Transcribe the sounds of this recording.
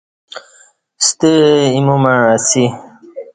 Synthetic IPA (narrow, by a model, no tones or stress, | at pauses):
st̪əimumaasi